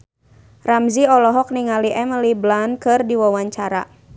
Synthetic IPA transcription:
ramziɔlɔɦɔk̚niŋaliʔɛməliblankɨrdiwawaɲt͡ʃaɾa̰

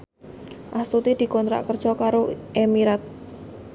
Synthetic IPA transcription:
ʔast̪ut̪id̪̥i̤kɔnt̪ɾa̰ʔkər̥ʒ̥ɔkaɾoʔemiɾat̪̚

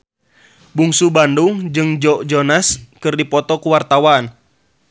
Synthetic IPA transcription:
buŋsubanduŋd͡ʒɨŋd͡ʒɔʔd͡ʒɔnaskɨrdipɔt̪ɔkuwart̪awan

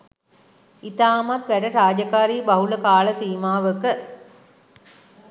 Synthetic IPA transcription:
it̪aːmɐt̪ʋæʈəɾaːd͡ʒakaːɾiːbɐɦuləkaːlɐsiːmaːʋəkə

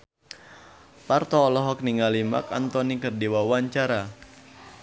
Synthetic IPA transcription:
part̪ɔːlɔɦɔk̚niŋalima̰kant̪ɔnikərdiwawaɲt͡ʃaɾa

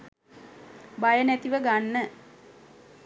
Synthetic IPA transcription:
bajənæt̪iʋəɡanːə

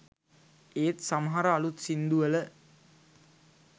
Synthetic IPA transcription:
eːt̪saməɦaɾəːlut̪sind̪uələ

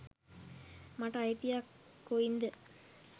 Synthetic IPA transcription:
maʈajt̪ːijakːoind̪ə

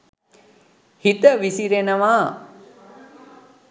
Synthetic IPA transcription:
hit̪əʋisiɾenəʋaː

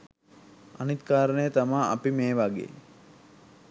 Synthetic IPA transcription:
anit̪kaːɾənəjət̪amaːa̰pimeːʋaɡḛː

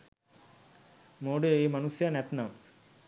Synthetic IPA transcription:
moːɖɨiːmɐnusjanet̪nam

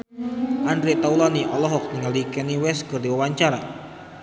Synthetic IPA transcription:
ʔandɾiʔt̪aulɔniʔɔlɔɦɔk̚niŋəlikɛniwɛskərd̪iwawaɲt͡ʃaɾa̰

